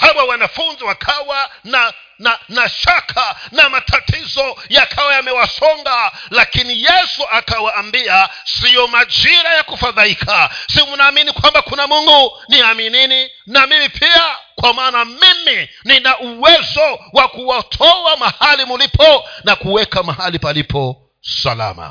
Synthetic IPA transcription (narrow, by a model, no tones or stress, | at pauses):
hawawanafunziwakʰawana | nanaʃakʰanamatʰatʰizɔjakʰawajamɛwasɔŋɡalakinijɛsuʔakawaːmbiasijɔmad͡ʒiɾajakufaðaikʰasimunaːminikwambakunamuŋɡuniaminini | namimipʰiakwamaːnamimininaʔuwɛzɔwakuwatʰɔamahalimulipʰɔnakuwɛkamahalipalipʰɔ | sa̰la̰ma̰